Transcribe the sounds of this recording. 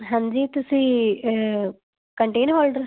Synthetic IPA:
ɦãːɲd͡ʒiːt̪ʊsĩː | kəɳʈeːnʋoːlɖəɾ

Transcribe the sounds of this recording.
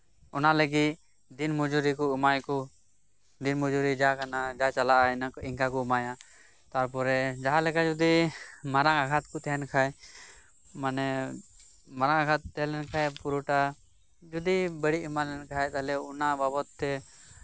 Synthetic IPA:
ɔnaləɡit̪̚ | d̪inmud͡ʒuɾikɔumajkɔ | d̪inmud͡ʒuɾid͡ʒakanad͡ʒat͡ʃalaʔainaiŋkakɔumaja | t̪aɾp̬ɔɾɛd͡ʒaɦalɛkad͡ʒud̪imaɾaŋaɡʰat̪kut̪ɛɦɛnkʰaj | manɛ | maɾaŋaɡat̪̚ːɛɦɛlɛnkʰajpuɾuʈa | d͡ʒud̪ibəɽiumalɛnkaajt̪alɛunababɔt̪ːɛ

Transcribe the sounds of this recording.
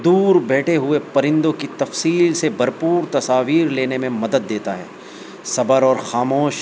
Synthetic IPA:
d̪uːɾbɛːʈʰeɦʊepɐɾɪ̃nd̪õkit̪ɐfsiːlsebʱɐɾpuːɾt̪ɐsaːʋiːɾleːnemẽmɐd̪əd̪ːeːt̪aɦɛ̰ː | sɐbəɾɔːɾxaːmoːʃ

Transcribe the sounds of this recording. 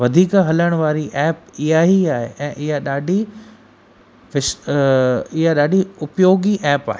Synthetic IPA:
ʋɐd̪ʱiːkɦɐləɽ̃ʋaːɾiʔɛːp̚ɪɦaɦiaːɦeʔɛ̃ːʔɪɦaɗaːɖʱi | ʋɪʃ | ɪɦaɗaːɖʱiʊpjoːɡiʔɛːpa̰ːɦeː

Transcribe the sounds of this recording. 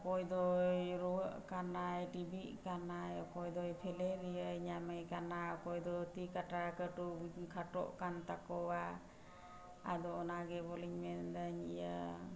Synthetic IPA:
kɔjd̪ɔjɾɔəʔkanajʈibiʔkanajɔkɔjd̪ɔjpʰɛlɛɾiəjɲaməjkanaɔkɔjd̪ɔt̪ikaʈakəʈukʰaʈɔ̰ʔkant̪akɔwa | ad̪ɔɔnaɡɛbɔliɲmɛnd̪aɲija

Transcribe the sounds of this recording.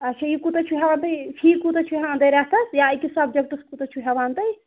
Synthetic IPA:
ɐt͡ʃʰajikut̪ɐt͡ʃʰuɦʲɛʋaːnt̪ɐjpʰiːkut̪ɐt͡ʃʰuɦɛand̪ɐjɾɛɦt̪ɐsjajkisɐbd͡ʒɐk̚ʈɐskut̪ɐt͡ʃʰuɦɛʋaːnt̪ɐj

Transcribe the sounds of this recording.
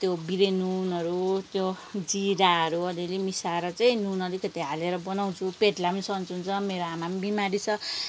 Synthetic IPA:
t̪jobiɾenunʌɾut̪jo | d͡ziɾaʌɾuʌlilemisaɾʌt͡saĩnunʌɾikʌt̪iɦaleɾʌbʌnaw̃t͡sʰupeʈlamʌnisʌnt͡sunt͡sʰʌmeɾoamamʌnbimaɾit͡sʰʌ

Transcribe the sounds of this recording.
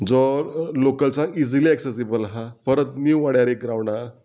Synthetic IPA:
d͡zɔlokəlt͡said͡ziliɛksesibəlɦapəɾət̪niʋaɽjaɾekɾaʋɳa

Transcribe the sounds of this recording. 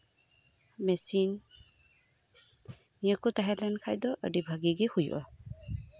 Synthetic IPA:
mɛsin | ijakʊt̪aɦɛlɛnkʰajd̪ɔʔə̰dibʱaɡiɡihujṵʔa̰

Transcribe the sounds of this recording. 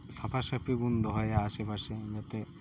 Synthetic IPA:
sapʰaʃapʰiɡund̪ɔɦɔjaaʃepaʃed͡ʑat̪e

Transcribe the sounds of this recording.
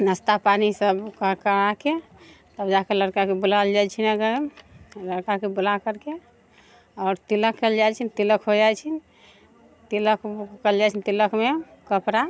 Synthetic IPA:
nəst̪apanisəbkəkəake | t̪əbd͡ʒakeləɾkakebulald͡ʒat͡ʃʰinəɡəɾləɾkakebulakəɾke | ɔːɾt̪iləkːɛld͡ʒat͡ʃʰint̪iləkɦod͡ʒat͡ʃʰin | t̪iləkkəld͡ʒat͡ʃʰint̪iləkme | kəpɾa

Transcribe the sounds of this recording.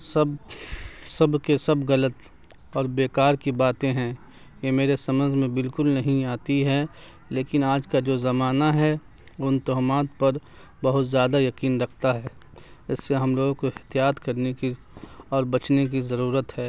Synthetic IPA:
sɐb | sɐbkesɐbɣɐlət̪ | ɔːɾbeːkaːɾkibaːt̪ẽɦɛ̃ | jemeːɾesɐmə̃nd͡ʒʱmẽbɪlkʊlnɐɦĩaːt̪iɦɛ | leːkɪnaːd͡ʒkad͡ʒoːzɐmaːnaɦɛ | ʊnt̪oɦmaːt̪pɐɾ | bɐɦʊt̪zjaːd̪ajɐkiːnɾɐkʰt̪aɦɛː | ɪsːeɦɐmloːɡõkoɪht̪ijaːt̪kɐɾneki | ɔːɾbɐt͡ʃnek̬izɐɾuːɾət̪ɦɛː

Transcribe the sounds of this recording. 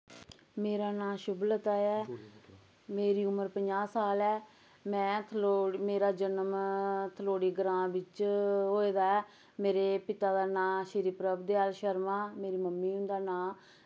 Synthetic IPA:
meːɾaːnãːʃʊblət̪aːɛː | meːɾiːʊməɾpəɲd͡ʒaːsaːlɛː | mɛ̃ːt̪ʰːmeːɾaːd͡ʒənəmt̪ʰəloːɽiːɡəɾãːbɪt͡ʃɦoːeːd̪aːɛː | meːɾeːpɪt̪aːd̪aːnãːʃɪɾiːpɾəbd̪eːaːlʃəɾmãːmeːɾiːməmːiːʊnd̪aːnãː

